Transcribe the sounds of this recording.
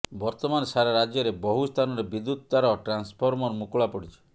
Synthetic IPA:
bɔɾt̪ɔmanɔsaɾaɾad͡ʒjɔɾebɔɦust̪ʰanɔɾebid̪ːut̪̚t̪aɾɔʈɾanspʰɔɾmɔɾɔmukuɭapɔɽit͡ʃʰi̥

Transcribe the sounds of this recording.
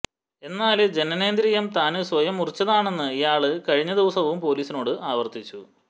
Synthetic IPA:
e̞nːaːld͡ʑe̞nɐne̞ːnd̪ɾijɐmt̪aːnɨsʋɐjɐmːurit͡ɕːɐðaːɳe̞nːɨijaːɭɨkɐɻiɲːɐd̪iʋɐsɐʋumpo̞ːliːsino̞ːɽɨʔaːʋɐrt̪it͡ɕːu

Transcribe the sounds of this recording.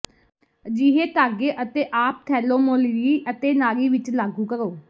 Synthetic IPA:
d͡ʒiːɦeːt̪aːɡeːʔət̪eːʔaːp̚t̪ʰɛːloːmoːliːət̪eːnaːɾiːʋɪt͡ʃlaːɡũːkəɾoː

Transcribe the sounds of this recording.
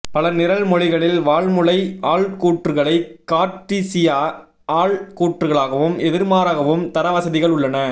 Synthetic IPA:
pɐlɐnɪɾɐlmɔɻɪɣɐɭɪlʋaːɭmɯɭɐɪaːɭkuːʈrɯɣɐɭɐɪkːaːʈːisɪjaː | aːɭkuːʈrɯɣɐɭaːɣɐʋɯmɛðɪɾmaːɾaːɣɐʋɯmt̪ɐɾɐʋɐsɐðɪɣɐɭʊɭːɐnɐ

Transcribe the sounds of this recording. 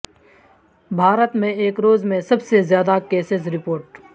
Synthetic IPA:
bʱaːɾət̪mẽeːkɾoːzmẽsɐbsezjaːd̪akeːsɪzɾɪpoːɾʈ

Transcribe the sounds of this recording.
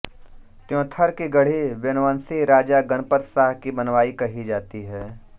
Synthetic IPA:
t̪jõːt̪ʰɐɾkiɡɐɽ̤eʋɐnʋaːnsiɾaːd͡ʒaɡɐnpəɾsaːɦkibɐnʋaːikɐɦid͡ʒaːt̪iɦɛː

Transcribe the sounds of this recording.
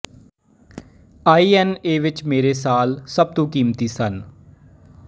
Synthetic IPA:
aːiːɛneːʋɪt͡ʃmeːɾeːsaːlsəb̚t̪õːkiːmt̪iːsən

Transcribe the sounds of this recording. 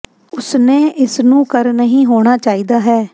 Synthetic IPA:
ʊsneːʔɪsnũːkəɾnəɦĩːɦoːɽ̃aːt͡ʃaːiːd̪aːɦɛː

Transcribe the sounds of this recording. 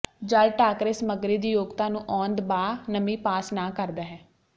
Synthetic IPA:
d͡ʒəlʈaːkɾɪsməɡɾiːd̪iːjoːɡt̪aːnũːʔɔːnd̪baːnəmĩːpaːsnaːkəɾd̪aːɦɛː

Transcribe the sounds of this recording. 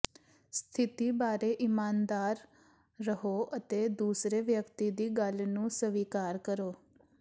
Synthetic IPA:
st̪ʰɪt̪iːbaːɾeːʔɪmaːnd̪aːɾː | əɦoːʔət̪eːd̪uːsɾeːʋjəkt̪iːd̪iːɡəlnũːsəʋiːkaːɾkəɾoː

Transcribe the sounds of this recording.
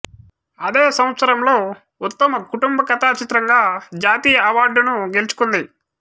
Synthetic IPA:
ɐd̪eːsɐw̃ɐt̪sɐɾɐmlo̞ː | ut̪ːɐmɐkuʈumbɐkɐt̪aːt͡ʃit̪ɾɐŋɡaːd͡ʒaːt̪iːjɐɐʋaːɾɖunuɡe̞lut͡ʃu̥kund̪i

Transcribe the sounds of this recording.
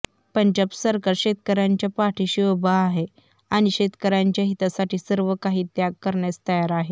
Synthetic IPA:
pəɳd͡ʑəbsəɾkaɾɕet̪̚kəɾaɲt͡ɕjapaʈʰiɕiʋəbaːɦe | aɽ̃iɕet̪kəɾaɲt͡ɕjaɦit̪asaʈiːsəɾʋəkaɦiːt̪jaɡkːəɾɳjat͡st̪əjaɾaɦe

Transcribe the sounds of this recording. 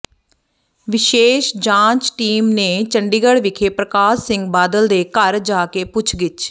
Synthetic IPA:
ʋɪʃeːʃd͡ʒãːt͡ʃʈiːmneːt͡ʃəɳɖiːɡəɽʋɪkʰeːpɾəkaːsɪ̃ŋɡ̚baːd̪əld̪eːkəɾd͡ʒaːkeːpʊt͡ʃʰɡɪt͡ʃ

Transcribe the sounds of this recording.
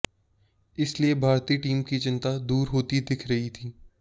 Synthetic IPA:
ɪsliebʱaːɾt̪iːʈiːmkit͡ʃɪ̃nt̪ad̪uːɾɦoːt̪id̪ɪkʰɾɐɦit̪ʰiː

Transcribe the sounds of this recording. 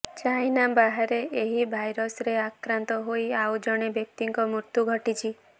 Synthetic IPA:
t͡ʃainabaɦaɾeeɦibʱajɾɔsɾeakɾant̪ɔɦoiaud͡ʒɔɽ̃ebjək̚t̪iŋkomuɾt̪juɡʱəʈit͡ʃʰi

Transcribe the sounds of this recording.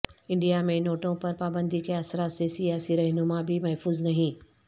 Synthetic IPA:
ɪ̃ɳɖijamẽnoːʈõpɐɾpaːbə̃nd̪ikʰeasɾasesijaːsiɾɐɦnʊmãbʱimɐɦfuːznɐɦĩː

